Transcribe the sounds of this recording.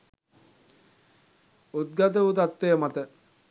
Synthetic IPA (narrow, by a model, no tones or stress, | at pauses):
ut̪̚ɡat̪̬əʋut̪at̪ːwejəmat̪ə